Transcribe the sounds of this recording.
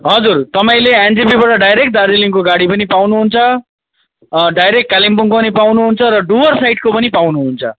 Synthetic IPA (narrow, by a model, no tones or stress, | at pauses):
ɦʌd͡zurt̪ʌpaĩleend͡zipibaʈʌɖajɾek̚ʈ̚d̪aɾd͡ziliŋkoɡaɽipʌnipawnuɦunt͡sʰʌ | ɖajɾek̚ʈ̚kalimpuŋkopʌnipawnuɦunt͡sʰʌɾʌɖuwʌrsajʈkopʌnipawnuɦunt͡sʰʌ̰